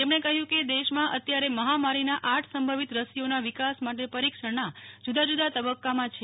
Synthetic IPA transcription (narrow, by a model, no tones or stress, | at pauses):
t̪emɳ̃ekəɦjũked̪eʃmãʔət̪jaɾeməɦamaɾinaʔaʈʰsəmbʱəʋit̪ɾəsijonaʋikasmaʈepəɾikʃəɾnad͡ʒud̪ad͡ʒud̪ʱat̪əbəkːamãt͡ʃʰe